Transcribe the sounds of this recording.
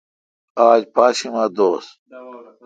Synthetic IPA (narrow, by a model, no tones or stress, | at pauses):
aːd͡ʑpaːɕimaːd̪oːs